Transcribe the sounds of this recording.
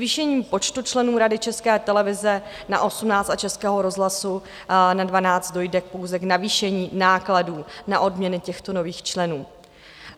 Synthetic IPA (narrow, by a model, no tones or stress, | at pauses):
viːʃɛɲiːmpo̞t͡ʃt̪ut͡ʃlɛnuːɾadɪt͡ʃɛskɛːt̪ɛlɛvɪzɛ | na̰ʔo̞sumnaːt͡st̪at͡ʃɛskɛːɦo̞ɾo̞zɦlasu | nadvanaːt͡st̪do̞jdɛk̚po̞wzɛknaviːʃɛɲiːnaːkladuːnaʔo̞dmɲɛnɪcɛxt̪o̞no̞viːxt͡ʃlɛnuː